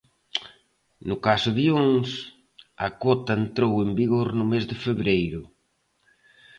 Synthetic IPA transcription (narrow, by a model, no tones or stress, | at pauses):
nʊkasʊðioŋs | ɐkɔt̪ɐent̪ɾowembiɣoɾnʊmezðɪfeβɾejɾʊ